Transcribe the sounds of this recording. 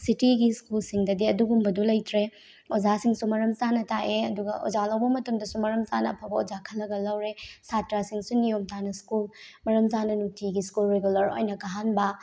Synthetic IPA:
sitiɡiskulsiŋdɐdiɐduɡumbɐdulɐjtʰɾe | od͡ʒasiŋsumɐɾɐmzanɐtaʔeɐduɡɐʔo̰d͡ʒalɐwbɐmɐtumdɐsumɐɾɐmzanɐɐpʰabɐod͡ʒakʰɐlːɐɡɐlɐwɾesatɾasiŋsunijomtʰanɐskul | mɐɾɐmzanɐnutʰiɡiskulɾeɡulɐɾo̰jnɐkɐɦanbɐ

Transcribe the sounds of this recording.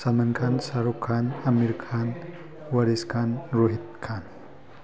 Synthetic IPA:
samɐnkʰansaɾukʰːanɐmiɾkʰan | wɐɾiskʰanɾoɦit̪̚kʰan

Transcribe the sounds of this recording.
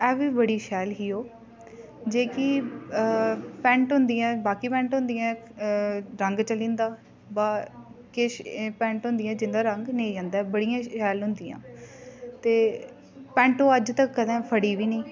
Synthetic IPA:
ɛːʋiːbəɽiːʃɛːlɦiːɦoː | d͡ʒeːkɪ | pɛ̃ːɳʈɦʊ̃nd̪iːɛ̃ːbaːkiːpɛ̃ːɳʈɦʊ̃nd̪ijãː | ɾəŋɡt͡ʃəlĩːnd̪aː | baːkɪʃpɛ̃ːɳʈɦʊ̃nd̪ijãːd͡ʒɪnd̪aːɾə̃ŋɡnẽːd͡ʒãːnd̪aːɛbəɽijãːʃɛːlɦʊ̃nd̪ijã̰ː | t̪eː | pɛ̃ːɳʈõːəd͡ʒt̪əkːəd̪ẽːpʰəɽiːʋiːniː

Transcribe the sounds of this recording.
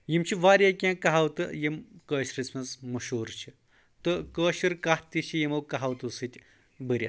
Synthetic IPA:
jimt͡ʃʰiʋaːɾʲjakʲãːkɐɦawt̪ɨjemkəːɕɾit͡smɐt͡smɐʃuːɾt͡ʃʰi | t̪ɨkəːɕiɾkaht̪iʃijemɐwkɐɦawt̪usɨt̪ʲ | bəɾʲɐ

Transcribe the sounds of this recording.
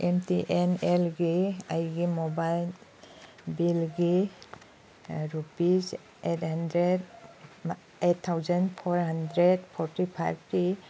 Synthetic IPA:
emtiʔɛnɛlɡiajɡimɔbajl | bilɡi | ɹupiz | ethandɹɛd | ett̪ʰːawzanpʰɔɹɦandɹɛdpʰɔɹtipʰa̰ɹki

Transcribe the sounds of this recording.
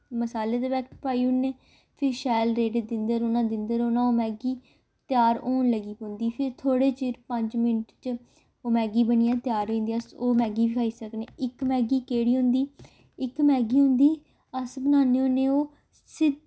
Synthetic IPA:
məsaːleːt̪eːbɛːkʰʈpaːiːʊnːeː | pʰɪɾʃɛːlɾeːɖed̪ɪnd̪əɾoːnãːd̪ɪnd̪əɾoːnãːoːmɛːɡiː | t̪jaːɾoːnləɡiːpõːnd̪iːpʰɪɾt̪ʰoːɽeːt͡ʃɪɾpəɲd͡ʒmɪnʈt͡ʃə | oːmɛːɡiːbəniːɛ̃ːt̪ɪjaːɾɦõĩːnd̪iːəsoːmɛːɡiːbkʰaːiːsəkneːɪkmɛːɡiːkeːɽiːɦʊ̃nd̪iː | ɪkmɛːɡiːɦʊ̃nd̪iː | əsbənaːneːoːnẽːoː | sɪd̪̚

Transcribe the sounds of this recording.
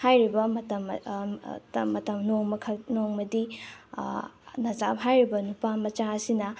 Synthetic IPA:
hajɾibɐmɐtɐm | tmɐtɐmnoŋmɐkʰɐnoŋmɐdi | nɐt͡ʃap̚ɦajɾibɐnupamɐt͡ʃaɐsinɐ

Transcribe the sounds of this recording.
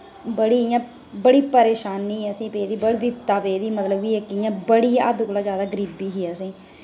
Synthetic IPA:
bəɽiːjãː | bəɽiːpəɾeːʃaːniːəsĩːpeːd̪iːbəɽbiːpt̪aːpeːd̪iːmət̪ləbiːekɪɪjãːbəɽiːa̰ːd̪ʊklaːzjaːd̪aːɡəɾiːbiːɦiːəsẽː

